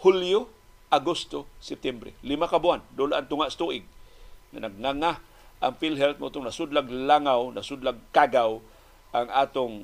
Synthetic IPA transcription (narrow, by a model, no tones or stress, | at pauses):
huljo | ʔaɡʊst̪osɪp̚t̪ɛmbɾɛ̰lɪmakabʊand̪ʊlaʔaŋt̪ʊŋaʔst̪uʔɪɡ̚ŋa̰naɡ̚ŋaŋa | ʔa̰ŋfilɦɛlt̪̚mʔʊt̪ʊŋnasʊd̪laɡlaŋawnasʊd̪laɡ̚kaɡaw | ʔaŋʔaːt̪ʊŋ